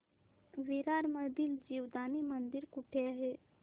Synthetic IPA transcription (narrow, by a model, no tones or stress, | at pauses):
ʋiɾaːɾməd̪ild͡ʒiːwd̪aːnimənd̪ɪɾkʊʈʰeɦe